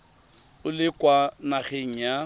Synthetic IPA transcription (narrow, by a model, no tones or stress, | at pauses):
ʊlɪkʼwanaχeŋ̩ja